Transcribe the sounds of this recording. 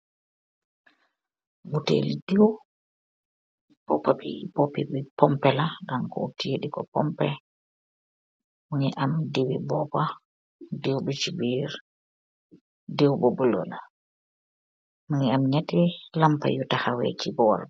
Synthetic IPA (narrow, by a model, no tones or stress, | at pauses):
ɡutḛlidɛw | b̥ɔpːabibɔpɛbipɔmpɛlaɗankɔ̰utijeɗikɔ̰pɔmpɛ | muŋɛʔamdewibɔpa | dewbɛt͡ʃibiɾ | dɛwbɔbulɔ̰ɗa | maŋɛamɲatɛlampa̰jutahawḛt͡ʃibɔwa̰ɾ